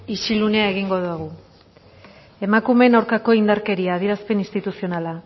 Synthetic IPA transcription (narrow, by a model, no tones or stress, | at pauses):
it͡ʃilune̞ae̞ɣ̞iŋɡo̞ðuaɣ̞u | e̞makume̞nawɾkako̞ind̪aɾke̞ɾiaːð̞iɾaspe̞ninst̪it̪usio̞nala